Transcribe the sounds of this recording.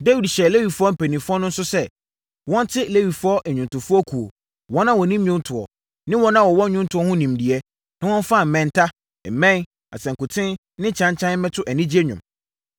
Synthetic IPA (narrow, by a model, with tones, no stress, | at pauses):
de˦wi˨dɕɛ˨le˦wi˨fʊ˦ɔ˦m̩˨pʰæ˨nĩ˨fʊ˦ɔ˦nʊ̃˦n̩˦sʊ˦sɛ˦ | wɔ̃˦n˦tʰɪ˦le˦wi˨fʊ˦ɔ˦ʔɛ˨ɲᶣʊ̃˨ntʊ˨fʊ˦ɔ˦kʰu˨o̰˨ | wɔ̃˦nã˦wɔ̃˨nĩ˦m˦ʊ̃˦n˦tʰʊ˨ɔ̰˨ | nɪ̃˦wɔ̃˦nã˦wɔ˨wɔ̃˦ɲʊ̃˦n˦tʰʊ˨ɔ˦hʊ̃˦nĩ˨mdi˨ɛ˦ | nã˦wɔ̃˦n˦fa˦˨m̩˨mɛ̃˨n˨tʰa˦˨ | mɛ̃˦n | a̰˨sɛ̃˨ŋ̩˨kʊ˨tʰɪ̃˦n | nɪ̃˦t͡ɕʰã˦ɲ˦t͡ɕʰã˦n˦mɛ̃˦tʰʊ˦ʔæ˨nĩ˦d͡ʑi˦ɛ˦ɲᶣʊ̰̃˨m